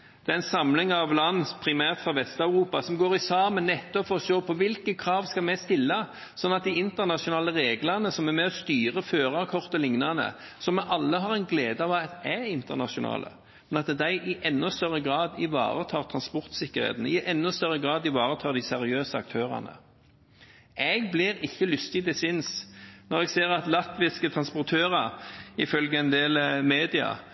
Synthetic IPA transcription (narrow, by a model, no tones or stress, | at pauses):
d̪̥ɛæːɾɛnsɑmlɪŋɑʋlɑnːpʰɾɪmæːʁt̪fɾɑʋɛst̪ɑʉɾuːpɑsɔmɡoːɾɪsɑːmənːɛt̪ːɔpfɔsoːpʰɔʋɪlkəkʰɾɑːʋskɑlmɛst̪ɪlːə | sɔnːɑt̪̚d̪ɪɪnt̪əʁnɑʂʊnɑːləʁeːɡlɑnəsɔmæɾmɛɔst̪yːʁəføːʁɑkʰɔʁt̪əlɪŋnɑnə̰ | sɔmɛʔɑlːəɦɑʁɛɪnɡleːd̪əɑʋɑt̪æɪnt̪əʁnɑʂʊnɑ̰ːlʔə̰ | mɛnɑt̪d̪æɪʔɪʔɛnːɔst̪œʁəɡɾɑːd̪ɪʋɑ̰ːʁət̪ʰɑːʁt̪ʰʁɑnspɔɾt̪sɪkːəɾhḛːt̪ən̩ɪʔɛnːɔst̪œɾːəɡʁɑːd̪ɪʋɑːʁət̪ʰɑːɾd̪ɪsɛɾɪøːsəɑ̰k̚t̪ʰøːʁɑ̰nə̰ | ʔɛɡblɪɾɪçːəlʏst̪ɪd̪ɛsɪnsnɔʁɛɡseːʁɑt̪lɑt̪ʋɪskət̪ʰʁɑnspɔʁt̪ʰøːʁɑɪfœlɡəɛnd̪eːlmeːd̪ɪɑ̰